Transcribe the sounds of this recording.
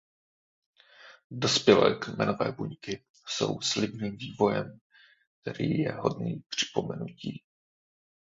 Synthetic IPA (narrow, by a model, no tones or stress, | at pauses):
dospjɛlɛ̰ːkmɛno̞vɛːbuɲkɪ | so̞̰wslɪbniːmviːvo̞jɛm | k̚t̪ɛɾiːjɛɦo̞dniːpr̝̥ɪ̥po̞mɛnuciː